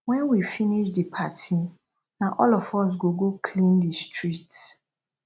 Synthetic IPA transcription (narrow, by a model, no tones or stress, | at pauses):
wɛ̃nwifiniʃdipʰatʰi | nãʔɔlɔfɔs̬ɡoɡokʰlĩndistʰɹit